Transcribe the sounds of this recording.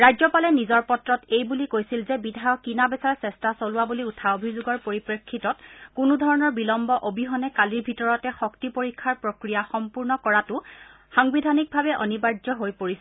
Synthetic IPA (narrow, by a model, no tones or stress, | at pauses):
ɹajzɔpalɛnizɔɹpɔtɹɔtejbulikojsilzɛbidʱajɔkːinabɛsaɹsɛstasolʊwabuliutʰaobʱizuɡɔɹpoɹipɹekʰːitɔtkʊnʊdʱɔɹɔnɔɹbilɔmbɔʔobʱiɦɔnɛkaliɹbʱitɔɹɔtɛxɔktipoɹikʰːaɹpɹokɹijaxɔmpuɹnɔkɔɹatʊ | xaŋbidʱanik̚bʱaβɛʔɔ̰nibaɹzɔɦojpoɹis